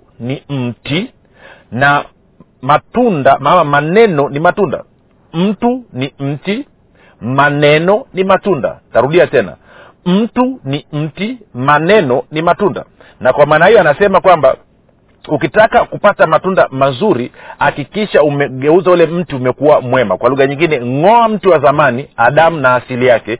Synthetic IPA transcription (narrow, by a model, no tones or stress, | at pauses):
nim̩ti | na | matundamamamanɛnɔnimatunda̰ | m̩tunim̩ti | manɛnɔnimatunda̰taɾuɗiatɛna̰ | m̩tunim̩timanɛnɔnimatunda̰ | nakwamaːnahijɔanasɛmakwamba̰ | ukitakakupatamatundamazuɾihakikiʃaumɛɠɛuzajulɛm̩tiumɛkuwamwɛma̰kwaluɣaɲiŋɡinɛŋɔam̩tiwazamaniaɗamunaːsilijakɛ